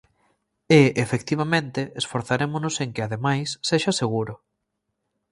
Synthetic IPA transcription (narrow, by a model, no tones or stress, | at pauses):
eefekt̪iβ̞amẽnt̪ɪesfoɾθaɾemʊnʊseŋkɪaðemajsːeʃaseɣ̞uɾʊ